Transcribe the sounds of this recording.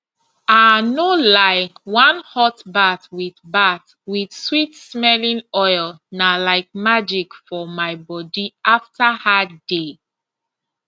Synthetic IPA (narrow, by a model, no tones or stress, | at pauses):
anolaɪwãnhɔtbatwiθbat | widswitsmɛlĩnɔɪlnalaɪk̚mad͡ʒikfɔmaɪbɔdiaftʰahade